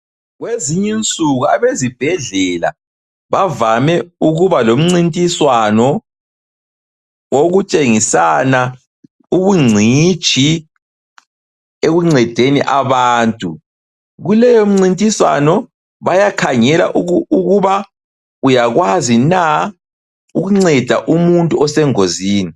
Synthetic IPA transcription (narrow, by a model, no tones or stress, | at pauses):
ɣweziɲɛnt͡sʼuɣuaβezib̥ʱɛɮɛla̰ | βavamɛuɣuβalom̩ŋ͡ǀintʼiswanɔ | woɣut͡ʃʼeŋisana | uβuŋ͡ǀʱi̥t͡ʃi | eɣuŋ͡ǀɛd̥ʱenḭʔaβaːntʼu | ɣulɛjom̩ŋ͡ǀintʼiswa̰nɔ | βajakʰaŋɛla̰ʔuuɣuβa | ujaɣwazina | uɣuŋ͡ǀɛd̥ʱa̰ʔumuntʼuɔsɛŋoziːni